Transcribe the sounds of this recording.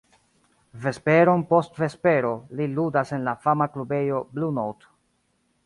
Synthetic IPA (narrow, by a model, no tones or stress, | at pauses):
ve̞spe̞ɾo̞npo̞stve̞spe̞ɾo̞liludase̞nlafamaklube̞jo̞blunowt